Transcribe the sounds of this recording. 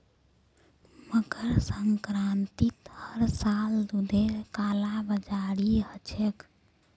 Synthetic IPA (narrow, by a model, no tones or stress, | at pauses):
məɡəɾsəŋkɾant̪it̪həɾsald̪ud̪ʱeɾkalabəd͡ʒaɾiɦət͡ʃʰek